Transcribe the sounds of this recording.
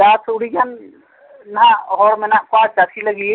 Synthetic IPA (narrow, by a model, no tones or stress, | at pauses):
daːsʊɽid͡ʒan | naɦɔːɾmenakaːt͡ʃat̪ʰiləɡi